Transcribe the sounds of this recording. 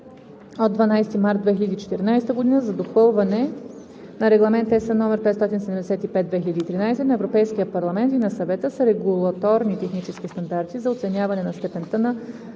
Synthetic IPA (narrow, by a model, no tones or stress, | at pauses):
od̪vɐnajst̪imaɾt̪d̪vɛx̬ilʲəd̪it͡ʃɛ̥t̪ɛɾnajst̪əɡod̪inəzɐd̪oxvɤlˠvɐnɛ | nɐɾɛɡlˠɐmɛnt̪ːɛsənɔmɛɾpɛt̪st̪ɔt̪insɛd̪ɛmd̪ɛsɛt̪ipɛt̪̚d̪vɛxilʲɐd̪iːt̪ɾinajsɛnɐɛvɾopɛjsk̟ijəpɐɾlˠɐmɛnt̪inɐsɐvɛt̪əsəɾɛɡulˠɐt̪ɔɾnit̪ɛxnit͡ʃɛsk̟ist̪ɐnd̪aɾt̪izɐot̪sɛnʲavɐnɛnɐst̪ɛpɛnt̪ənɐ